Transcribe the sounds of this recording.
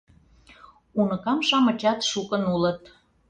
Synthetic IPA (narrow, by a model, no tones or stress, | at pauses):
unɤ̆kɑmʃɑmət͡ɕɑt̪ʃukənulət̪